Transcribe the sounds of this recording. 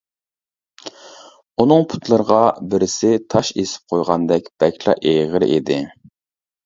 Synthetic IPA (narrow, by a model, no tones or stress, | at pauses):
unɨŋpʰu̥t̪lˠɨɾəʁɑbɪɾɪsɪt̪ʰɑʃesɪ̥p̚qʰojʁɑnd̪ɛkʲb̥ɛkʲlˠɑ̰ʔeʁəɾ̰ʔed̪ɪ